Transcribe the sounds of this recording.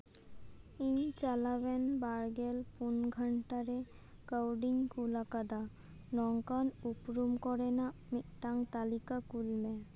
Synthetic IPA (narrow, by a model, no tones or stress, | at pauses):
iɲt͡ɕalaβɛnbaɾɡelpunɡʱaɳʈaɾe | kawɖiŋkulakad̪a | nɔŋkanupɾumkɔɾenaʔmiʔʈaŋt̪alikakulmɛ